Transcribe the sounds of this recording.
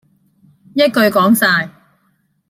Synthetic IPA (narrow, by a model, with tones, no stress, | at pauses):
jɐ˥t̚kɵ˧ɥkɔː˨˥ŋsaː˧j